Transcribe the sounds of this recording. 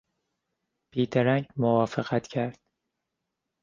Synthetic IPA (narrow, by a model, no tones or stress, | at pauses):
b̥iːd̪æɾæɲɟmovɒːfeɣæt̪cʰæɾd̪̥̚